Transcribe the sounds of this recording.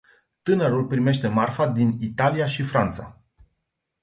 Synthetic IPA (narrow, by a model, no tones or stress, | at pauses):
t̪ɨnəɾulpɾime̞ʃt̪e̞marfad̪init̪aliaʃifɾant̪sa̰